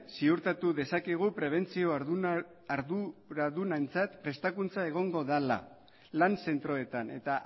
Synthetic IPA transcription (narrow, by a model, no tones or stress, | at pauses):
siuɾt̪at̪uðe̞sakiɣ̞upɾe̞β̞e̞nt͡sio̞ | aɾðuɾaðunaent͡sat̪pɾe̞st̪akunt͡sae̞ɣ̞o̞ŋɡo̞ðala̰ | lanse̞nt̪ɾo̞e̞t̪ane̞̰t̪aʔ